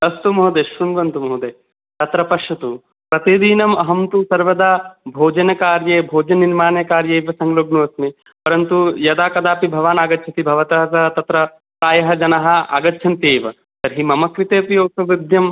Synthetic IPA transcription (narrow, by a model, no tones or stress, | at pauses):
ɐst̪umɐɦud̪eːʃɾunʋɐnt̪umɐɦud̪eː | t̪ɐt̪ɾɐpɐʃɐt̪u | pɾɐt̪iːd̪iːnɐmɐɦɐmt̪usɐɾʋɐd̪aːbʱoːd͡ʒɐnɐkaːɾjeːbʱoːd͡ʒɐniɾmaːnekaːɾjeːʋɐsɐŋɡloːbnuɐsmi | pɐɾɐnt̪ujɐd̪aːkɐd̪aːpibʱɐʋaːnaːɡɐtːʃʰɐt̪ibʱɐʋɐt̪ɐɦɐt̪ɐɦɐt̪ɐt̪ɾɐ | k̪aːjɐɦɐd͡ʒɐnɐɦɐ̆a̰ːɡɐtːʃʰɐnt̪eːʋɐ̰ | t̪ɐɾɦimɐmɐkɾit̪eːpjoːksɐʋid̪jɐm